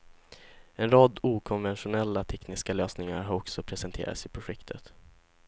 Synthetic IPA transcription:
ɛnɾɑːd̪uːkʰɔnvɛnɧʊnɛlːat̪ʰɛknɪskaløːsnɪŋa̰ɾɦaɾɔksɔpʰɾɛsɛnt̪ʰḛːɾa̰t̪sɪpʰɾʊɧɛkt̪ʰət̪

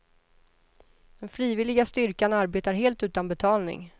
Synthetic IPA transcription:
d̪̥ɛnfɾiːvɪlɪɡast̪ʏɾkanaɾbeːt̪aɾɦeːlt̪ʉ̟ːt̪anbɛt̪ʰɑːlnɪ̰ŋ

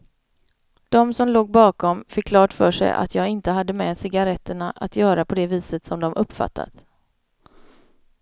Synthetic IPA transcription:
d̪̥ɔmsɔmloːɡ̚bɑːkɔmfɪkːlɑːʈfœːʂɛ̰jʔa̰t̪ʰjɑːɡɪnt̪əɦad̪ːəmɛsɪɡaɾɛt̪ʰːəɳaʔat̪jœːɾapʰɔd̪ɛviːsət̪sɔmd̪ɔmʔɵpːfa̰t̪ʰːa̰t̪

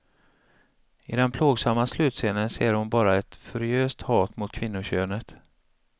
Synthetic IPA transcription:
ɪd̪ɛnpʰloːɡsamːaslʉ̟ːt̪seːnənseːɾhʊnbɑːɾaɛt̪fœɾɪøːst̪hɑːt̪mʊt̪̚kʰvɪnːʊɕøːnət̪

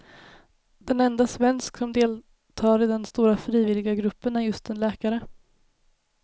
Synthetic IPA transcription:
d̪ɛnɛnd̪asvɛnsksɔmd̪eːl | t̪ʰɑːɾɪd̪ɛnst̪uːɾafɾiːvɪlːɪɡaɡɾɵpːənæɾjɵst̪ɛnlɛːkaɾə

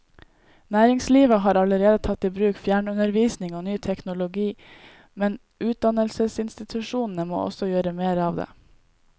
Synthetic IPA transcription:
næːɾɪŋsliːʋəɦɑːɾɑləɾeːd̪ət̪ʰɑt̪ːiːbɾʉːkfjæːɳʉnəɾʋiːsnɪŋoːnyːt̪ʰɛknʊlʊɡiː | mɛn | ʔʉːt̪̚d̪ɑnəlsəsɪnst̪ɪt̪ʰʉʃuːnn̩əmo̰ːʔɔ̰sɔjøːɾəmeːɾɑːʋd̪ḛː

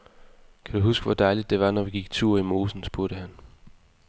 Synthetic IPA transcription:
kʰæd̥uɦusɡ̥əʋɒd̥ɑ̈ɪlid̥ːe̝ʋɑ̈nɒʋiɡ̥iɡ̥̚t͡sʰuɐimo̝ːsn̩sb̥uɐɾ̥əɦæn

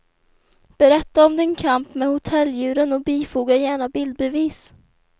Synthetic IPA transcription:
b̥ɛɾɛt̪ːaɔmd̪ɪnkʰampmɛhʊt̪ʰɛlːjʉ̟ːɾənɔbiːfuːɡajæːɳabɪld̪̚bɛviːs

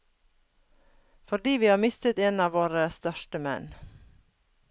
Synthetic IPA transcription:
fɔɖiːʋiːhɑːmɪst̪ət̪eːnɑːʋoːɾəst̪œʃʈəmɛ̰n

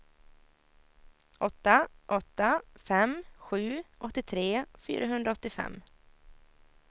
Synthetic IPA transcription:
ʔɔt̪ːaʔɔt̪ːafɛmɧʉ̟ːʔɔt̪ːɪt̪ʰɾeːfy̰ːɾʔaɦɵnd̪ɾaɔt̪ːɪfɛ̰mː

